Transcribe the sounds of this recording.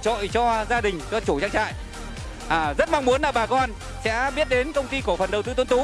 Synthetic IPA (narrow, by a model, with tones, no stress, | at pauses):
t͡ɕo̰˧˨jt͡ɕɔ˧zaː˧ɗï˨˩ŋ̟t͡ɕɔ˧t͡ɕu˧˩t͡ɕaː˧˥ŋ̚t͡ɕa̰ː˧˨jʔ | ʔaː˨˩zə˦˥t̚ma˧wŋ͡mmu˨˦ənlaː˨˩ɓaː˨˩kɔ˧n | sɛ̰˧˥ɓi˦˥ət̚ɗe˨˦nkə˧wŋ͡mt̪i˧ko˧˩fə˨˩nɗə˨˩wt̪ɨ˧t̪nt̪u˨˦